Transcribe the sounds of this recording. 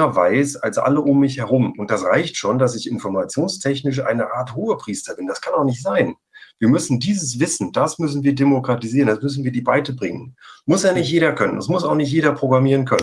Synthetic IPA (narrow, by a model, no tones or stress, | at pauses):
ɐvaɪsa̰lsʔa̰ləʔʊmːɪçhɛɐʁ̞ʊmʊntd̥asʁaɪçtʃoːndasɪçɪnfɔɐmat͡sjoːnstʰɛçnɪʃ̬ʔa̰ɪnəʔaːɐthoːəpʁ̥iːstɐbɪnd̥askʰanaʊxnɪçtz̥aɪn | viːɐmʏsn̩diːzəsv̥ɪsn̩d̥asmʏsn̩viːɐdemokʁ̥atiziːɐʁənd̥asmʏs̬n̩viːɐdiːbaɪtəbʁɪŋənmʊsjaːnɪçtjeːɾɐkʰœnə̰nda̰smʊsaʊxnɪçtjeːɾɐpʁ̥oɡʁamiːʁənkʰœnə